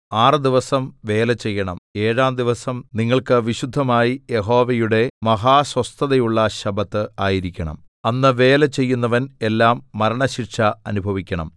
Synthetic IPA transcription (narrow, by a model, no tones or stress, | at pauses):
aːrɨd̪iʋɐsɐmʋe̞ːlɐt͡ɕe̞jːɐɳɐ̰me̞ːɻaːmd̪iʋɐsɐmniŋːɐɭkɨʋiɕud̪ʱːɐmaːjijeɦo̞ːʋɐjuɽe̞mɐɦaːswɐst̪ʰɐðɐjuɭːɐɕɐbɐt̪ːɨaːjiɾikʲːɐɳɐ̰m | ɐnːɨʋe̞ːlet͡ɕe̞jːunːɐʋɐne̞lːaːmːɐɾɐɳɐɕirʂɐɐnubʱɐʋikʲːɐɳɐ̰m